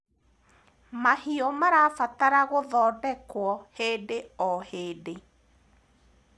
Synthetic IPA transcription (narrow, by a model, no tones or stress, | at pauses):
mahiɔmaɾafataɾaɣoðɔːdɛkwɔheːdeɔheːde